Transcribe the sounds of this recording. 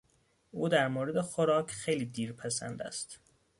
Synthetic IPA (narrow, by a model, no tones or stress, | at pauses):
uːd̪æɾmoːɾed̪exoɾɒːcʰxejliːd̪iːɾpʰæsæ̰nd̪æ̰st̪